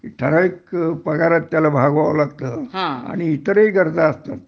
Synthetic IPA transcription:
ʈʰəɾaikpəɡaɾat̪ːjalabʱaɡʋaʋlaɡt̪əɦãa̰ɽ̃iːt̪əɾiɡəɾd͡zaːst̪at̪̚

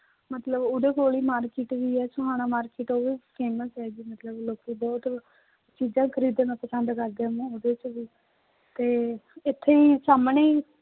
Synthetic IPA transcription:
mət̪ləbʊɖeːkoːɽiːmaːɾkɪːʈʋiːɛːsõɦaːnaːmaːɾkɪːʈoːʋiːpʰeːməsɛːd͡ʒiːmət̪ləbloːkiːbɔːt̪ | t͡ʃiːd͡ʒãːkʰəɾiːd̪eːnãpəsənd̪kəɾd̪eːmẽːʊɖeːt͡ʃʋiː | t̪eːɪt̪ʰːeːiːsaːmɳeː

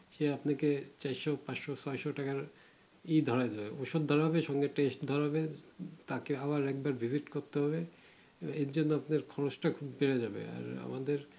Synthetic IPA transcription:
ʃeapnaket͡ɕajʃopaʃosɔjʃoʈakaɾ | id̪ʱɔɾaed̪ebeoʃod̪dʱɔɾaɦɔbeʃɔŋɡeʈesʈd̪ʱɔɾaɦɔbet̪akeaβaɾɛk̚baɾbʱiziʈkoɾt̪eɦɔbe | eɾd͡ʑonːoapnaɾkʰɔɾoʃʈakʰubpeɾed͡ʑabḛa̰ɾa̰mad̪eɾ

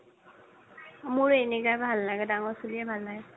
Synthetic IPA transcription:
amʊɹenekabʱalːaɡɛdaŋɔɹsuliɛbʱalːaɡɛ

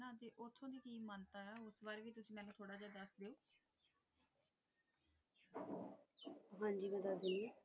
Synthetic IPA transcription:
nãːt̪eːʔʊt̪ʰːõːd̪iːkiːmənt̪aːaːʊsʋaːɾʋiːt̪ʊsĩːmɛ̃ːnũːt̪ʰoːɽaːd͡ʒaːd̪əsd̪eːoː | ɦãːɲd͡ʒiːmɛ̃ːd̪asuni

